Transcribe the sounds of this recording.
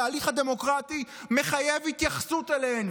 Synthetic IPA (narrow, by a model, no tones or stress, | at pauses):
aːliχad̪e̞mo̞kʁat̪i | me̞χaje̞vhit̪jaχsut̪elen